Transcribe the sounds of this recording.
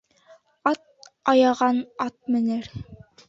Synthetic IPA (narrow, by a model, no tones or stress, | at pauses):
ɑt̪̚ɑjɑʁɑnɑt̪̚mɘ̆nɘɾ